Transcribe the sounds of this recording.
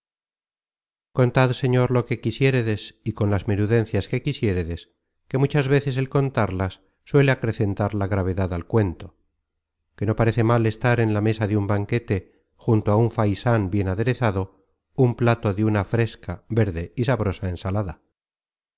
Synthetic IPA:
ko̞nt̪aðse̞ɲo̞ɾlo̞ke̞kisje̞ɾeðesiko̞nlazmeɾuðe̞n̟θjaske̞kisje̞ɾeðe̞s | ke̞mut͡ʃazβe̞θe̞s̬e̞lko̞nt̪aɾlasː | we̞le̞akɾe̞θe̞nt̪aɾlaɣɾaβ̞e̞ðaðalkwe̞nt̪o̞ | ke̞no̞paɾe̞θe̞male̞st̪aɾe̞nlamesaðeumbaŋke̞t̪e | xunt̪oauɱfajsanbje̞naðe̞ɾe̞θaðo̞ | umplat̪o̞ðeunafɾe̞skabe̞ɾðe̞isaβɾo̞sae̞nsalaða

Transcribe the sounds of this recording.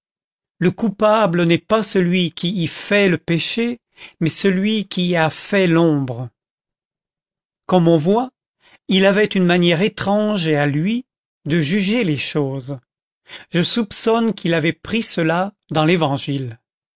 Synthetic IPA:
ləkupablənɛpasəlɥikʲʰiːfɛləpeʃe | mɛsəlɥikʲiafɛlɔ̃bʁə | kɔmɔ̃vwa | ilavɛt̪ynmanjɛʁet̪χɑ̃ʒealɥi | d̪əʒyʒeleʃoːz | ʒ̥əsupsɔnkʰilavɛpχisəla | d̪ɑ̃levɑ̃ʒil

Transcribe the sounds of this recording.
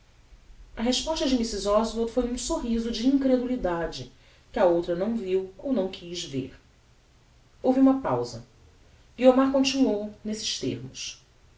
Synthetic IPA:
ɐɦeʃpɔʃt̪ɐd͡ʒɪmisizɔzvot̪fojũsoɦizʊd͡ʒɪĩŋkɾed̪ulid̪ad͡ʒɪ | kɪɐowt̪ɾɐnɐ̃w̃viwownɐ̃w̃kʰizvḛɾ | owviũmɐpa̰wzɐ̰ | ɡiomaɾkõt͡ʃinuownesɪ̥ʃt̪ḛɾmʊs

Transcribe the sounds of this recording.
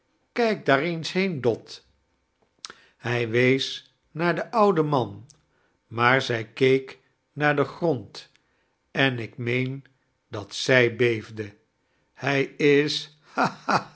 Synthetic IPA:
kɛjk̚daːɹejnsɦejndɔt | hɛjʋejs | naːɹdəʔʌwdəmɑn | maːɹzɛjkejk | naːɹdəχrɔnt | ɛnɪkmejn | dɑtsɛjbejvdə | hɛjɪs | haa

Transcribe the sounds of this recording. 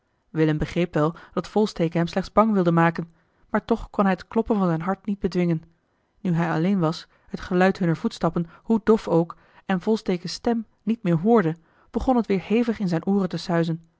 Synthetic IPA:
ʋɪləmbəχrejpʋɛlˠd̥ɑtfɔlˠstejkəɦɛmslɛχd̥zbɑŋʋɪlˠdəmaːkən | maːɹtɔχkɔnɦɛjətklɔpənvɑnzɛjnɦɑɹtnid̚bədʋɪŋən | nyɦɛjɑlejnʋɑs | hətχəlœɥtɦɵnəɹvutstɑpənhudɔfowk | ɛnvɔlˠstejkəstɛm | nitmɪːɹɦʊːɹdə | b̥əχɔnɦətʋɪːɹhejvəχɪnzɛjnʔuːrəntəsœɥzən

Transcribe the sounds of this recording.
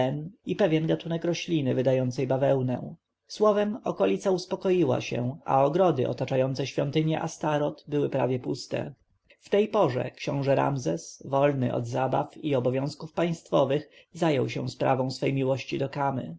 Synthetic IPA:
ɛnipɛvʲjɛnɡat̪unɛkɾɔɕlʲinɘvɘd̪ajɔnt̪sɛjbavɛwnɛ̰̃ | swɔvɛmɔkɔlʲit̪sauspɔkɔjiwa̰ɕɛ̰a̰ɔɡɾɔd̪ɘ̰ʔɔ̰t̪at͡ʂajɔnt̪sɛɕfʲjɔnt̪ɘɲjɛ̰ʔast̪aɾɔt̪bɘwɘpɾavʲjɛpust̪ɛ̰ | ft̪ɛjpɔʐɛ̰kɕɔ̃w̃ʐɛɾa̰mzɛsvɔlnɘ̰ʔɔ̰d̪zaba̰fiɔbɔvʲjɔ̃w̃skufpaj̃st̪fɔvɘx | zajɔwɕɛ̰spɾavɔ̃w̃sfɛjmʲiwɔɕt͡ɕid̪ɔkamɘ̰

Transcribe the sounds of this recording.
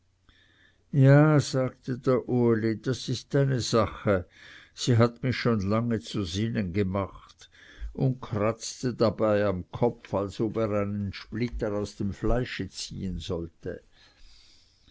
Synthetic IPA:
jaːz̥aːɡ̚tədeːɐʔoɐlid̥asɪstaɪnəzaχəz̥iːɦatmɪçʃoːnlaŋət͡suzɪnənɡəmaχtʊnt̚kʰʁ̥at͡stədabaɪamkʰɔpfalsoːbeːʁaɪnənʃplɪtəʁaʊsd̥emflaɪʃət͡sḭːənzɔltə̰

